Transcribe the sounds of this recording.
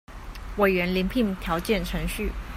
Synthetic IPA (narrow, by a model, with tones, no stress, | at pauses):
we˨˩ɪɥɛ˧˥nli˧˥ŋpʰi˧˥˦ŋt̪ʰjɑ˧˥ʊt͡ɕjɛ˥˩nʈ͡ʂʰɤ˧˥ŋɕy˥˩